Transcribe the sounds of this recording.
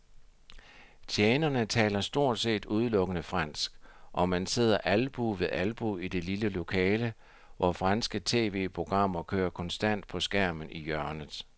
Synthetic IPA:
t͡sʰjeːnɐnət͡sʰɛ̰ːlɐsd̥o̝ɐ̰d̥se̝̰ːd̥uð̞ˠlɔ̽ɡ̥ənəfʁɑn̰sɡ̥ʔɒ̽mænse̝ð̞̰ˠɐʔælb̥uʋe̝ðˠʔælb̥uid̥e̝liləlo̝kʰɛːlə | ʋʔɒfʁɑnsɡ̥ət͡sʰe̝̰ːʋe̝̰ːpʰʁo̝ɡ̥ʁɑ̈m̰ɐkʰøːɐkʰɒ̽nsd̥æn̰d̥̚pʰɒ̽sɡ̥æɐ̰mən̩ijɶɐnð̩ˠ

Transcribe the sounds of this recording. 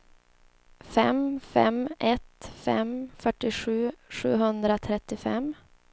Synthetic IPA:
fɛmfɛ̰mɛt̪fɛ̰mfœʈːɪɧʉ̟ːɧʉ̰ːɦɵnd̪ɾat̪ʰɾɛt̪ːɪfɛm

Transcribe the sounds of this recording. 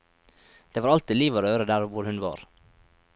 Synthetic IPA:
d̪̥eːʋɑːɾɑlt̪iːliːʋoːɾøːɾəd̪æːɾʋʊɾhʉnʋɑ̰ːɾ

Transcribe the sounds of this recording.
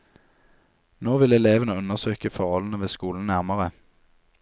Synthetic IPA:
noːʋɪlɛleːʋənəʉnəʁsøːkəfɔʁhɔln̩əʋeːskuːln̩næʁməʁə

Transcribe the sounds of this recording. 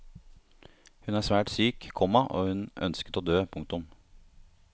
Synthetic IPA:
hʉnæːsʋæːʈsyːkkʰɔmːɑʔo̰ːhʉnœ̰nskət̪oːd̪øːpʰʊŋk̚t̪ʊm

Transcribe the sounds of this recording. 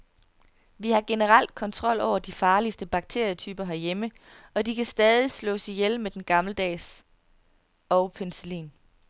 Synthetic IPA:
ʋihɑ̈ɡ̥e̝nəʁɑl̰d̥̚kʰɒ̽nt͡sʰʁɒ̽l̰ɒʊ̰ɐd̥ifɑ̈ːlisd̥əb̥ɑ̈ɡ̥̚t͡sʰe̝ɐ̰jət͡sʰyːb̥ɐɦæɐjemə | ɒ̽d̥ikʰæsd̥ɛːðˠislɔ̰̽ːsijelmed̥enɡ̥ɑ̈mləd̥ɛ̰ːs | ɒʊpʰensəlḭːn

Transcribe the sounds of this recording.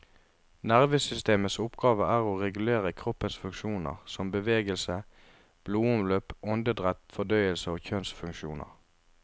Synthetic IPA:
næʁʋəsʏst̪eːməsʊpɡɑːʋəæːʁoːʁɛɡʉleːʁəkʰʁɔpːənsfʉŋkʃuːnə̰ʁsɔmbəʋeːɡəlsə | b̥luːʊmløːpʔɔnd̪əd̪ʁɛt̪fɔd̪œʏəlsəoːçœnsfʉŋkʃuːnə̰ʁ

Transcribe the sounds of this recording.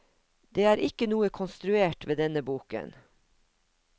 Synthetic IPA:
d̪̥eːæːɾʔɪkənuːəkʰɔnst̪ɾʉeːʈʋeːd̪ɛnəbuːkə̰n

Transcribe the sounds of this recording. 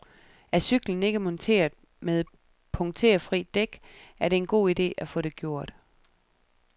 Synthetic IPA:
æɐsyɡ̥ln̩e̝ɡ̥əmɒ̽nt͡sʰe̝̰ːɐðˠ | meðˠ | pʰɔ̽ŋt͡sʰe̝̰ːɐfʁḭd̥eɡ̥æɐɾe̝e̝nɡ̥o̝̰ːid̥e̝̰ːæfɔ̽ɾ̥e̝ɡ̥jo̝ɐ̰d̥

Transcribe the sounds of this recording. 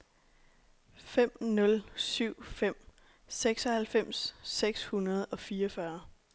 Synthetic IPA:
fem̰nɔ̽lsyʊ̰fem̰ | seɡ̥sɒ̽hælfem̰sːeɡ̥shunɐð̞ˠɒ̽fiːʌfɶɐ

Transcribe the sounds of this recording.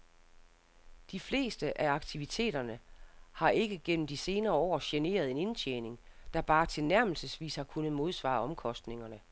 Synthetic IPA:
d̥ifle̝̰ːsd̥əʔæɑ̈ɡ̥t͡sʰiʋit͡sʰe̝̰ːd̥ɐnəhɑ̈ʔe̝ɡ̥əɡ̥en̰m̩d̥ise̝ːnɐːɒ̰ːɕene̝̰ːɐð̞̩ˠe̝ne̝nt͡ɕʰjeːne̝ŋd̥ɑ̈b̥ɑ̈ːt͡sʰe̝lnæɐ̰ml̩səsʋḭːshɑ̈kʰunð̩ˠmo̝ð̞ˠsʋɑ̰̈ːɒ̽mkʰɒ̽sd̥ne̝ŋɐnə

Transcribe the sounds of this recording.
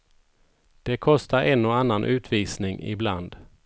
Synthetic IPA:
d̪̥ɛkʰɔst̪aɾɛnːɔanːanʔʉ̟ːt̪ʰviːsnɪŋɪ̰bland̪

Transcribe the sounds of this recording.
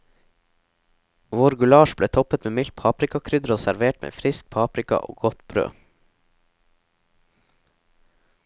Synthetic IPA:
ʋʊɾɡʉlɑːʃbleːt̪ʰɔpət̪meːmɪlt̪̚pʰɑːpɾɪkɑkʰɾʏd̪ɾoːsæɾʋeːʈmʔḛːfɾɪsk̚pʰɑːpɾɪkɑ̰ʔo̰ːɡɔt̪bɾø̰ː

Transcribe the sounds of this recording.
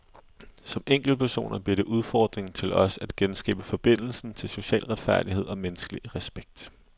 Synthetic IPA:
sɒ̽meŋ̰ɡ̥l̩̚pʰæɐso̝̰ːnɐb̥liɐɾ̥e̝ʔuð̞ˠfɒːd̥ʁeŋt͡sʰe̝lɒ̽sæd̥ɡ̥ensɡ̥ɛ̰ːb̥əfɒ̽b̥e̝n̰l̩sn̩t͡sʰe̝lso̝ɕɛ̰ːlʁad̥fæɐ̰d̥iɦe̝ð̞̰ˠɒ̽menəsɡ̥əliʁɛsb̥eɡ̥̚d̥

